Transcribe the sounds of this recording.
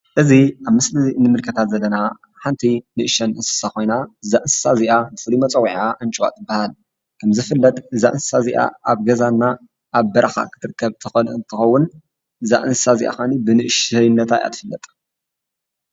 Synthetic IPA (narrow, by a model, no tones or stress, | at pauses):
ʔɨziʔaβmɨslɨnɨmɨlkʰɐt̪ʰat̪zɐlːɐna | ħant̪ʰinɨʔɨʃɐnʔɨnsɨ̥sako̞jnazaʔɨnsɨ̥saziʔabɨfɨlumɐt͡sʼɐwiʕaʔɨnt͡ʃʼwa̰t̪ɨbːahal | kʰɐmzɨfɨlːɐt̪ʼɨza̰ʔɨnsɨ̥saziʔa̰aβɡɐzanːa | ʔaβbɐɾʔɐxa̰kʰɨ̥t̪ʰɨɾɨkʰːɐβt̪ʰɨxɐɨnt̪ʰɨxɐwːʊn | za̰ʔɨnsɨsazḭʔa̰xanibɨnɨʔʃnːɐt̪ʰajʔa̰t̪ʰɨfɨlːɐt̪ʼ